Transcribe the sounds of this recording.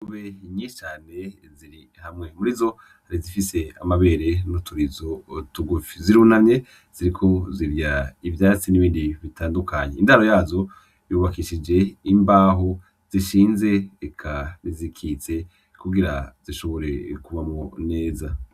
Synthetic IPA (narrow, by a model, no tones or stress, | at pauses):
kuβeiɲiːʃt͡ʃaːne̞ | ziɾi | hamŋe̞muɾizo̞ | haɾizifise̞a̰maβe̞ːɾe̞nutʰuɾizotuɡufiziɾunane̞ | z̥iɾikʰo̞ziɾjaivjaːt͡siniβiːndiβitaːndukʰaɲeindahaɾo̞jaːzo̞ | juːβakiʃid͡ʒe̞imbaːɦo̞ | z̥iʃiːnze̞ːkʰanizikʰit͡se̞ | kuɡiɾaz̥iʃo̞βo̞ɾe̞kuvamŋone̞ːza